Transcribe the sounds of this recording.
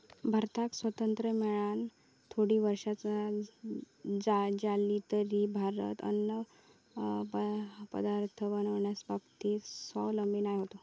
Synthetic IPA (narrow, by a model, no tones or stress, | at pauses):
bʱaɾt̪ʰaksʋət̪ənt̪ɾəmɛɭan | t̪ʰoɽiːʋəɾʂat͡sa | d͡zad͡zaliːt̪əɾibʱaɾə̰t̪ə̰nːə | pə̰d̪aɾt̪ʰəʋənʋəɳjasbabt̪isɔləmbiːnajɦot̪o